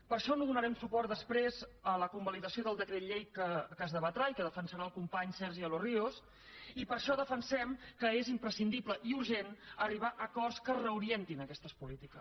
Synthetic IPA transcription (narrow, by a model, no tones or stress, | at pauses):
pəɾʃɔnoðunəɾɛmsupɔrt̪d̪əspɾezələkumbəliðəsioðəlˠd̪əkɾet̪ʎejkəkəzðəβət̪ɾaʎkəðəfənsəɾaəlˠkumpaɲsɛɾʒiəlorios | ipəɾʃɔðəfənsɛmkəezimpɾəsind̪ibləʔiuɾʒenəriβ̞aʔəkɔrskərəuɾient̪inəkɛst̪əspulit̪ikə